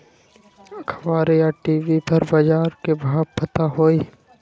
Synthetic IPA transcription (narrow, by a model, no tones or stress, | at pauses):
kʰʋaːɾejaʈiːʋipɐɾbɐd͡ʒaːɾkebʱaːb̚pɐt̪aɦoːi